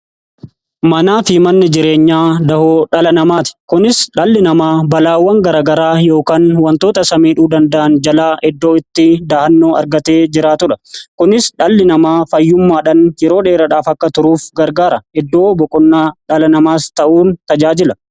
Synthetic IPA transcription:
mɐnaːfɪmɐnːɪd͡ʒɪɾe̞ːɲːaːd̪ɐhoːᶑɐlɐnɐmaːt̪ɪ̥kʊnɪsᶑɐlːɪnɐmaːbɐlaːwːɐŋɡɐɾaːɡɐɾaːjo̞ːkaːnwɐnt̪o̞ːt̪ɐsɐmiːᶑuːd̪ɐnd̪ɐʔɐnd͡ʒɐlaːʔɛd̪ːo̞ːɪt̪ːɪd̪ɐhɐnːo̞ːɐ̰ɾɡɐt̪e̞ːd͡ʒɪɾaːt̪ʊᶑɐkʊnɪsᶑɐlːɪnɐmaːfɐjːʊmːaːᶑɐnjɛɾo̞ːᶑeːɾɐᶑaːfɐkːɐt̪ʊɾuːfɡɐɾɡaːɾɐɛd̪ːo̞ːbɔkʼʊnːaːᶑɐlɐnɐmaːst̪ɐʔuːnt̪ɐd͡ʒaːd͡ʒɪlɐ

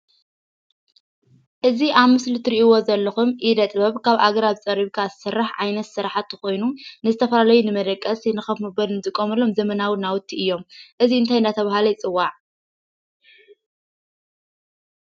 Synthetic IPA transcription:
ʔɨziʔaβmɨslit̪ʰɨɾiʔiwo̞zɐlːɐxumʔid̪ɐt̪ʼbɐβkʰaβʔa̰ɡɐɾaβt͡sʼɐɾiβkʰazsɨɾːaħʕajnɐt̪sɨɾaħat̪ʰːɨxo̞jnunɨzɨt̪ʰɐfɐlalɐjunɨmɐd̪ɐkʼːɐsnɨxɐfmɨbɐlnɨzʼɨkʼːomɨlːo̞mzɐmɐnawinawʊt̪ʰːiɨjːo̞mʔɨziɨnt̪ʰajɨnd̪at̪ʰɐβahalɐjt͡sʼɨwːaʕ

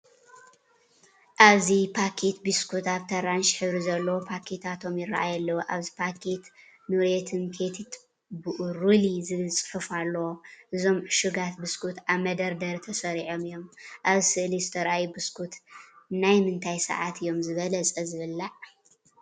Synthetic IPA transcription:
ʔaβzipʰakʰe̞t̪biskʰut̪aβt̪ʰɐɾanʃħɨβɾizɐlːɐwopʰakʰe̞t̪ʰat̪ʰo̞mjɪrːɐ̰ʔajɐlːɐwoʔaβzipʰakʰe̞t̪ | nɨɾet̪ʰɨnkʰe̞t̪ʰit̪ | bɨʔuɾulizɨβɨlt͡sʼɨ̥ħɨfalːɐwoʔɨzo̞mʃuɡat̪bɨskʰut̪aβmɐd̪ɐɾd̪ɐɾt̪ʰɐsɐɾiʕo̞mɨjo̞mʔaβisɨʔlisɨt̪ʰɐɾajibɨskʰut̪najmɨnt̪ʰajsɐ̰ʕat̪ʰɨjo̞mzɨβɐlɐt͡sʼɐzɨβɨlːaʕ

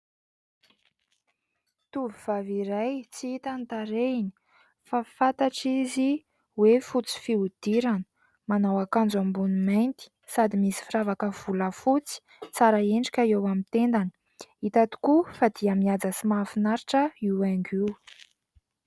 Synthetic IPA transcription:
t̪uviv̥aviɾajt͡siit̪ant̪aɾeini̥ | fafat̪aʈ͡ʂizi | wefut͡si̥fiud̪̥iɾanə̥ | manawakand͡zambunumejnt̪i̥ | sad̪imisi̥fiɾavakəv̥uləfut͡si̥ | t͡saɾaeɳɖ͡ʐikʲaiewamit̪end̪anə̥ | it̪at̪u̥kufad̪̥iamiad͡zasimafinaɾiʈ͡ʂəiwaŋɡiw

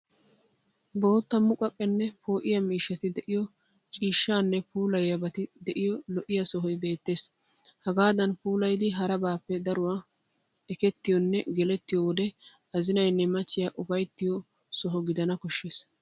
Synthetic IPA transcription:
bo̞ːt̪ːɐmʊkʼɐkʼːɛnːɛfo̞ːʔɪjɐmiːʃːɐt̪ɪd̪ɛʔɪjɔ | t͡ʃʼiːʃːaːnːɛpuːlɐjːɐbɐt̪ɪd̪ɛʔɪjɔlɔʔɪjɐsɔɦɔjbe̞ːt̪ːe̞ːs | hɐɡaːd̪ɐnpuːlɐjd̪ɪɦɐɾɐbaːpːɛd̪ɐɾʊwaː | ɛkɛt̪ːɪjɔnːɛɡɛlɛt̪ːɪjɔwɔd̪ɛ | ɐzɪnɐjnːɛmɐt͡ʃːɪjaʔʊbɐjt̪ːɪjɔ | sɔɦɔɡɪd̪ɐnɐkɔʃːeːs

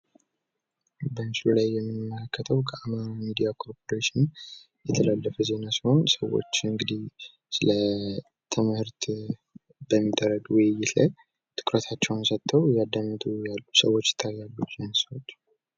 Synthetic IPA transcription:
bəmɨslulajːɛmːimːmːələkːət̪ʰəwkʰəʔamaɾamid̪ijakʰo̞ɾpʰo̞ɾeʃɪn | jɛt̪ʰəlalːəfəze̞nasiho̞nsəwo̰t͡ʃːɨŋɡɨd̪ih | sɨlə | t̪ʰɨmhɨɾt̪ | bəmːit̪ʼːəɾəd̪wɔjjɪt̪lə | t̪ʰɨ̥kɾət̪ʰat͡ʃːɛwnsət̪ʰːəwjad̪ːamət̪ʰʼujalːusəwːo̞t͡ʃːjɛ̥t̪ʰajalːut̪ansəwot͡ʃː

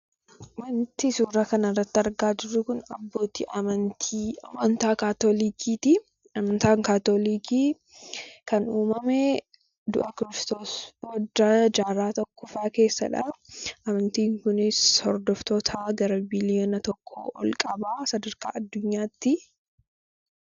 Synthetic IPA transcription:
mɐnt̪isuːɾaːkɐnɐrːɐt̪ːɪɐɾɡaːd͡ʒɪrːʊkʊnɐ̰bːoːt̪ḭːʔɐmɐnt̪ʰiɐmɐnt̪aːkaːt̪olikʰiːt̪ɪ | ɐmɐnt̪aːŋkaːt̪oːliːkiː | kɐnuːmɐmɛ | d̪ʊ̰ʔɐkɪɾɪst̪oːswɔd̪ːad͡ʒaːɾaːt̪ɔkːɔfaːke̞ːsːɐ̰ᶑɐʔɐmɐnt̪iːŋkʊnɪshɔɾd̪ɔft̪ɔt̪ʰaɡɐɾɐbɪlɪjoːnɐt̪ɔkʰːo̰ːʔɔ̰lkʼɐbaːsɐd̪ɐɾka̰ːɐd̪ːʊɲːaːt̪ːɪ

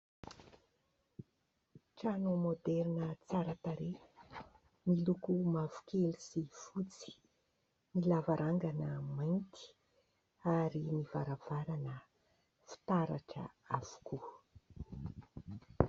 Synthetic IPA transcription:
ʈ͡ʂanomod̪ɛɾnət͡saɾat̪aɾe | nilukumavu̥kelisifut͡si̥ | nilavaɾʔaŋɡanəmajnt̪i̥ | aɾinivaɾavaɾanə | fi̥t̪aɾa̰ʈ͡ʂə̰av̥u̥ku

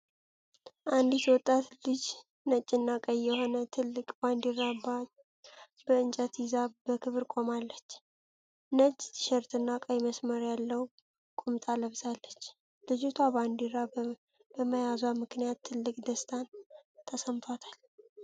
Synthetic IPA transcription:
ʔand̪it̪wɔt̪ʼːat̪lɨd͡ʒ | nət͡ʃʼːɪnːakʼəjːɛho̞nət̪ʰɨlːɨkʼband̪iɾab | bəɨnt͡ʃʼət̪jizabəkʰɨβɾkʼo̞malːət͡ʃː | nət͡ʃʼːt̪ʰɨ̥ʃɛɾt̪ɨnːakʼəjməsməɾjalːəw | kʼʊmt̪ʼaləβzalːət͡ʃː | lɨd͡ʒut̪ʰaband̪iɾa | bəməjazamɨknijat̪ʰːɨlːɨkʼd̪əst̪ʰant̪ʰəsəmt̪ʰat̪ʰal

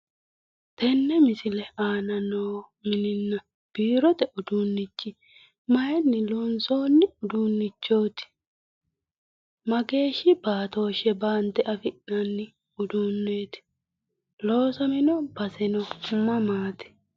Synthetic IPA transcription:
t̪ɛnːɛmɪsɪlɛaːnɐnoː | mɪnɪnːɐ | b̥iːɾɔt̪ɛʊd̪unːɪt͡ʃːɪ | mɐjɛnːɪlɔnsoːnːɪʊd̪unːɪt͡ʃːo̞ːt̪ɪ̥ | mɐɡe̞ːʃːɪbaːt̪o̞ːʃɛbaːnt̪ɛʔɐfɪʔnɐnːɪ | ʊd̪unːeːt̪ɪ̥ | lo̞ːsɐmɪnɔbɐsɛnɔmɐmaːt̪ɛ̥

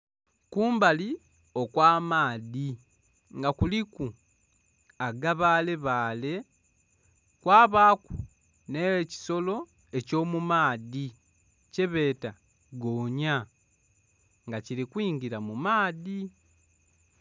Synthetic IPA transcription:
kuːmbali | o̞kwaːmaːði | ŋɡakuliku | aɡaβale̞βaːle̞ | kwaːβaːku | neci̥so̞lo̞ | e̞co̞ːmumaːði | ce̞βe̞ːta | ɡoːɲa | ŋɡacilikwiːŋɡiɾamumaːði

